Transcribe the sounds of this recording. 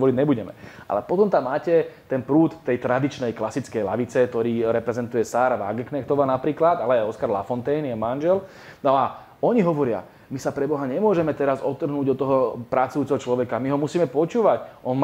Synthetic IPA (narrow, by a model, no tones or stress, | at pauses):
ʋɔɾiɟɲɛbuɟɛmɛ̰ʔa̰lɛpɔt̪ɔmt̪amːaːcɛt̪ɛnpɾuːt̪t̪ːɛjt̪ɾad̪it͡ʃnɛjklasit͡skɛjla̰ʋit͡sɛk̚t̪ɔɾiːɾɛpɾɛzɛnt̪ujɛsaːɾaʋa̰ɡknɛxt̪ɔʋaːnapɾiːklad̪alɛaɔskaɾla̰fɔnt̪ɛjnjɛmanʒɛl | nɔa | ɔɲiɦɔʋɔɾɪa̰ | misapɾɛbɔɦaɲɛmʊɔʒɛmɛt̪ɛɾazɔt̪ːr̩ɦnuːɟd̪ɔt̪ːɔɦɔpɾat͡sujuːt͡sɛɦɔt͡ʃlɔʋɛkamiɦɔmusiːmɛpɔt͡ʃuːʋacʔɔn